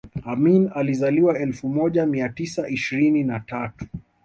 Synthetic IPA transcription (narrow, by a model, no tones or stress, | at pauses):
aminalizaliwaɛlfumɔʄamiatisaʔiʃiɾininatatu̥